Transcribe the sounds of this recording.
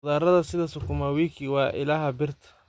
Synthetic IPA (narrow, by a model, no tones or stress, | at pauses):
ðaːɾɐðɐsɪðɐsʊkʰʊmawiːkʰiwɑːʔɪ̰laːhɐbɪrt̪ʰɐ̥